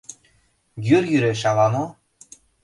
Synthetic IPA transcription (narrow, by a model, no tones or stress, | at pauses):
ɡʲyrjyɾeʃɑlɑno